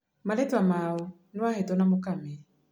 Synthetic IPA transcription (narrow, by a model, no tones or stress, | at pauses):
malɛtwamaɔ | nuahɛtɔnamʊkamɛ